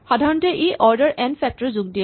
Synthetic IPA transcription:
xadʱaɹɔntɛʔiʔɔɹdəɹʔɛnfʰɛk̚tɔɹzuɡ̚diɛ

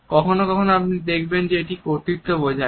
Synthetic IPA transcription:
kɔkʰonokɔkʰonoapnid̪ekʰbend͡ʑeeʈikoɾt̪it̪ːobod͡ʑʱa

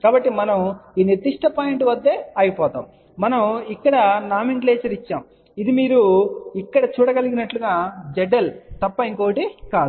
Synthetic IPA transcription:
kaːbɐʈːimɐnɐmiːniɾd̪iʂʈɐpaːjiɳʈʋɐd̪ːe̞ːɐjipɔːt̪a̰ːmː | ɐnɐmikːɐɽɐnaːmiɳʈleːt͡ʃɐɾit͡ʃːaːm | id̪imiːɾuikːɐɽɐt͡ʃuːɽɐɡɐliɡinɐʈluɡaːd͡ʒɛɖɐlt̪ɐpːɐiŋkoːɐʈikaːd̪u

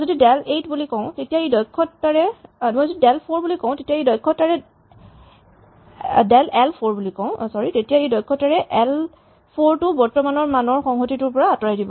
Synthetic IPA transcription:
zodidɛletbulikɔʊ̃tetijaejdɔjkʰːɔtːaɹɛmɔjzodidɛlpʰoɹbulikɔʊ̃tetijaejdɔjkʰːɔtaɹɛ | dɛlɛlpʰoɹbulikɔʊ̃sɔɹitetijaejdɔjkʰːɔtaɹɛʔɛl | pʰoɹtʊbɔɹtɔmanɔɹmanɔɹxɔŋɦotitʊɹpɔɹaːtɔɹajdibɔ

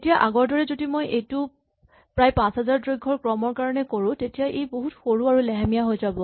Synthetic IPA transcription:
tijaʔaɡɔɹdɔɹɛzodimojʔejtʊ | pɹajpãsɦazaɹtɹojɡʱːɔɹkɹɔmɔɹkaɹɔnɛkoɹʊ̃tetijaʔejboɦutxoɹuaɹulɛɦamijaɦojzabɔ

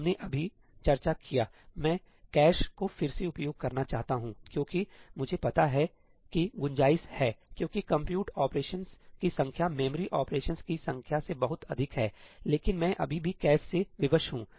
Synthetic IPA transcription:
mneʔɐbʱi | t͡ʃɐɾt͡ʃakijaːmɛ̃ː | kɛːʃkofɪɾseʊpjoːɡ̚kɐɾnat͡ʃaːɦt̪aɦũːkjõːkimʊd͡ʒʱepɐt̪aɦɛ | kiɡʊ̃ɲd͡ʒaːɪshɛːkjõːkikɐ̃mpjuːʈaːpɾeːʃənskisɐ̃ŋkʰjamɛːməɾiʔɔːpɾeːʃənskisɐ̃ŋkʰjasebɐɦʊt̪ɐd̪ʱɪkɦɛːleːkɪnmɛ̃ʔɐ̰bʱibʱikɛːʃseʋɪʋəʃɦũː

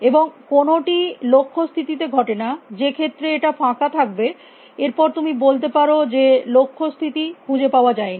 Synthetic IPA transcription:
eboŋkonoʈilokʰːost̪ʰit̪it̪eɡʱɔʈenad͡ʑekʰet̪ːɾeeʈafʰãkat̪ʰak̚be | eɾpɔɾt̪umibolt̪̬epaɾod͡ʑelokʰːost̪ʰit̪ikʰũd͡ʑepaoad͡ʑaeni

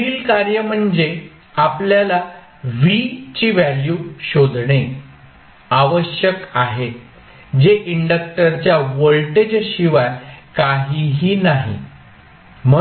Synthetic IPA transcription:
iːlkaɾjəm̤əɳd͡ze | apljala | ʋit͡ɕiʋæljuɕod̪ʱɳe | aʋəɕjəkaɦe | d͡ʑeʔiɳɖək̚ʈəɾt͡ɕjaʋəɭʈed͡ʑɕiʋakaɦiɦiːnaɦḭ | mə

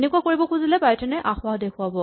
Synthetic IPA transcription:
nekuakoɹibɔkʰuzilɛbajtɛnɛʔaxʊaɦdekʰʊabɔ

